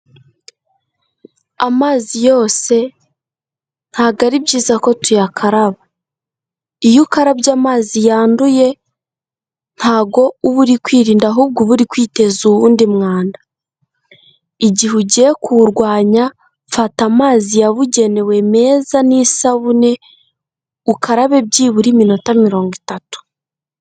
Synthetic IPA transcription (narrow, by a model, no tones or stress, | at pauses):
amaːzijo̞ːse̞ | n̥haɡaɾibɟiːzako̞tujakʰaɾaβa | ijukaɾaβɟaːmaːzijaːnduje̞ | n̥haːβɡo̞uβuɾikwiːɾiːndaɦuːb̚ɡuβuɾikwiːte̞zuβuːndimŋaːnda | iɟiɦuɟekuɾɡwaːɲa | fatamaːzijaβuɟe̞ne̞we̞me̞ːzanisaβune̞ | ukʰaɾaβe̞b̚ɟiːβuɾimino̞tamiɾo̞ːŋɡitatu̥